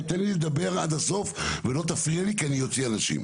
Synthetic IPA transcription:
t̪enlid̪abe̞ʁad̪aso̞fvelo̞t̪afʁialikianijo̞t͡sianaʃḭm

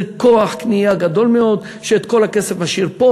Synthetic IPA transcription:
lkoaħknijaɡad̪o̞lmeo̞d̪ | ʃeːt̪ko̞lakesefaʃiʁpo

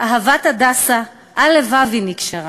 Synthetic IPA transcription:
ʔaɦavat̪adasa | ʔalevavinikʃaʁa

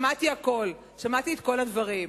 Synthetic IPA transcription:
mat̪iako̞l | ʃamat̪iet̪ko̞lad̪vaʁim

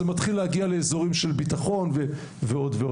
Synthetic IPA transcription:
emat̪χilehaɡialeezo̞ʁimʃe̞lbit̪aχo̞nve | veo̞d̪veo

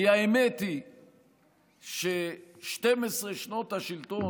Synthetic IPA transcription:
jaemet̪i | ʃeʃt̪emesʁeʃno̞t̪haʃilt̪o

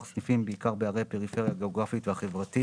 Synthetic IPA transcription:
snifimbeikaʁbeaʁejpe̞ʁife̞ʁjaɡeoɡʁafit̪vehaχe̞vʁat̪i

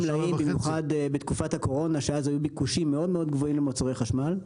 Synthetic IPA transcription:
mlaimbimjuχad̪bet̪kufathako̞ʁo̞naʃeazajubikuʃimːe̞o̞dmeo̞d̪ɡvoimlemot͡soʁejχaʃmal

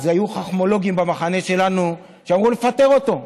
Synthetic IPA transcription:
zajuχaχmo̞lo̞ɡiimbamaχane̞ʃe̞lanu | ʃeamʁule̞fat̪e̞ʁo̞t̪o̞

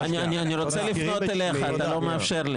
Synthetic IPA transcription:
anianianiɾo̞t͡selifno̞t̪ele̞χaːt̪alo̞meafʃe̞ʁli

